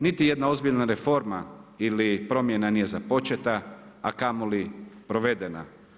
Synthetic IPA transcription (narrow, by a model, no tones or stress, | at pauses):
nit̪ije̞d̪nao̞zbiʎnaɾe̞fo̞ɾmailipɾo̞mjenanije̞zapo̞t͡ʃet̪aakamolipɾo̞ʋe̞d̪ena̰